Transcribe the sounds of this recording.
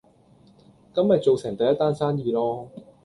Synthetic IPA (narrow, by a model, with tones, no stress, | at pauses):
kɐ˥mjɐ˨t̚t͡so˨wsɛː˨˩ŋt̪ɐ˨˧jɐ˥t̪ːaː˥nsaː˥njiː˧lɔː˥